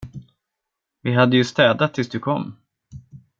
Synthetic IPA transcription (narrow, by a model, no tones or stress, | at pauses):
vɪɦad̪ːəjɵst̪ɛːd̪at̪ʰːɪlsd̪ɵkʰɔmː